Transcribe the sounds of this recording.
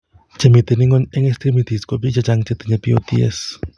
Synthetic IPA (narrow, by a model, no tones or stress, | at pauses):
t͡ʃemit̪ɨniŋɡoneŋest̪ɾimit̪iskopit͡ʃat͡ʃaŋt͡ʃet̪ɨɲepio̰t̪ḭḛs